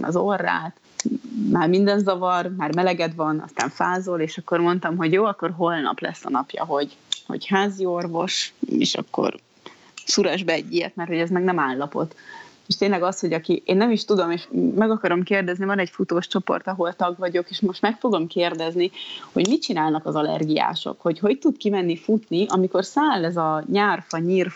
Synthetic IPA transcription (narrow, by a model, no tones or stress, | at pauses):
nɒ̰zorːa̰ːt̪ | maːrmind̪ɛnzɒvɒrmaːrmɛlɛɡɛd̪ʋɒnɒ̰st̪a̰ːɱfaːzoleːʃɒkːormo̞nt̪ɒmɦo̞ɟjoːɒkːo̞rɦo̞lnɒ̰plɛ̰sːɒ̰nɒpjɒ̰ɦo̞ɟho̞̰ɟhaːzio̞rvo̞ʃḛːʃɒ̰kːo̰r | suɾɒʒbɛɛɟːijɛ̰t̪mɛrt̪ho̞ɟɛzmɛɡnɛmaːlːɒpo̞̰t̪ː | eʃt̪eːnlɛɡɒsho̞ɟɒkiʔeːnːɛmiʃt̪ud̪o̞meʃmɛɡɒkɒɾo̞mkeːrd̪ɛznivɒnɛɟfut̪oːʃt͡ʃo̞po̞̰rt̪ɒɦo̞lt̪ɒɡʋɒɟo̞keːʃmo̞ʃt̪mɛkfo̞ɡo̞mkeːrd̪ɛzniho̞ɟmit͡ʃinaːlnɒkɒzɒlɛ̰rɡija̰ːʃo̰kho̞cɦo̞ɟt̪ud̪kimɛnːifut̪niʔɒmiko̞rsaːlːɛzɒɲaːrfɒɲiːr